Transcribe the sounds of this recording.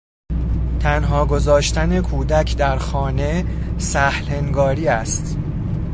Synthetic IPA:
t̪ʰænɦɒːɡo̞zɒːʃt̪æne̞kʰuːd̪æcʰd̪æɾxɒːnesæhleŋɡɒːɾiːæst̪

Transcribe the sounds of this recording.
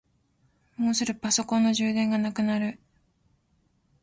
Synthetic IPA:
moːsɨɾɯ̟paso̞kõ̞nːo̞ʑɨːd̪ẽŋɡanakɯ̟naɾɯ̟

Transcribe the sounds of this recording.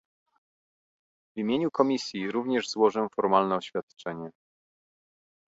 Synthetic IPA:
vʲimʲjeɲukɔmʲisʲjiɾuvɲɛʐzwɔʐɛfɔɾmalnɛɔɕfʲjat̪t͡ʂɛɲɛ

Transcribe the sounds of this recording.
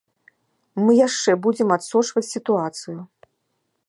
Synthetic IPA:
mɨjaʂt͡ʂɛbud͡zʲɛmat̪sɔt͡ʂvɐt͡sʲsʲit̪uat̪sɨju

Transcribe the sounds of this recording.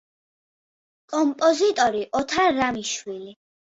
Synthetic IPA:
kʼɔmpʼɔzit̪ʼɔɾiʔɔt̪ʰaːamiʃwili

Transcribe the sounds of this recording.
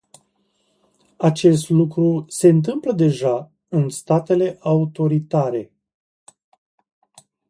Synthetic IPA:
at͡ʃe̞s̬t̪lukɾuse̞ɨnt̪ɨmpləd̪e̞ʒa | ɨnst̪at̪e̞le̞ʔaut̪o̞ɾit̪aɾe̞

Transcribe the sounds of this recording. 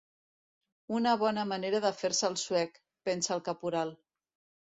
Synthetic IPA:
unəβ̞ɔnəməneɾəðəfeɾsəːlˠswɛk | pɛnsəlˠkəpuɾalˠ

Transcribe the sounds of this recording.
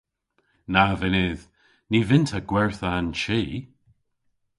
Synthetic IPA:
navɪnɪð | niːvɪntʰaɡ̥wɛɹθəanʃiː

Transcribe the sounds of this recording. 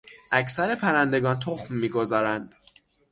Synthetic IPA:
ʔæcsæɾe̞pʰæɾænd̪e̞ɡɒːnt̪ʰoxmːiːɡo̞zɒːɾænd̪̥

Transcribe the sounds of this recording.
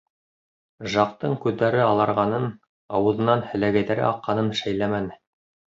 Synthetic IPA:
ʒɑq̚t̪ɤɴkʉðːæɾɘɑlˠɑɾʁɑnɤn | ɑwɤ̆ðɤ̆nɑnhɘ̆læɡæjðæɾɘ̰ʔɑqːɑnɤnʃæjlæmænɘ

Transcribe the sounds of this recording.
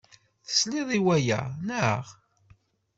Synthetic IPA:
θə̥sliðˤiwæjæ̰nə̰ʁ

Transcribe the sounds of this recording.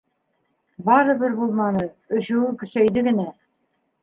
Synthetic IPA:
bɑɾɤ̆bɘɾbulˠmɑnɤ | ɵ̆ɕɘ̆wɘkɵ̆ʃæjd̪ɘɡɘ̆næ

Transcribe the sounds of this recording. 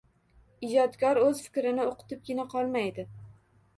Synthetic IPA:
ɪd͡ʒɒt̪kʰʲɒɾɵzfɪ̥kʲɾɪnɪoqʰʊ̥t̪ɪp̚ɡʲɪnaqʰɒlˠmajd̪ɪ

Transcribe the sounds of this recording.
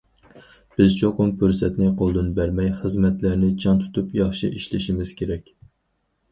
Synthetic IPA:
b̥ɪzt͡ʃʰoqʊmkʰyɾsɛt̪nɪqʰolˠd̪ɨnbæɾmɛjχəzmɛt̪læɾnɪd͡ʒʰɑnt̪ʰu̥t̪ʰupjɑχʃḭʔiʃlɪʃimɪz̥kʲʰeɾɛkʲ

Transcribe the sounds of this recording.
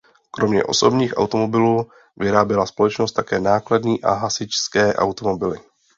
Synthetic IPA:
kɾo̞mɲɛ̰ʔo̞̰so̞bɲiːxʔa̰wt̪o̞mo̞bɪluː | vɪɾaːbjɛlaspo̞lɛt͡ʃnost̪ːakɛːnaːkladɲiːʔa̰ɦasɪt͡ʃskɛːʔa̰wt̪o̞mo̞bɪlɪ

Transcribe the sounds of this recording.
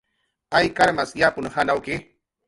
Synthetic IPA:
ajkaɾmasjapʊnhanawkɪ

